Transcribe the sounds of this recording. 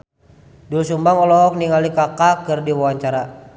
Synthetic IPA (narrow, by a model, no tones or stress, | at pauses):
dulsumbaŋɔlɔɦɔk̚niŋalikakakɨrdiwawaɲt͡ʃaɾa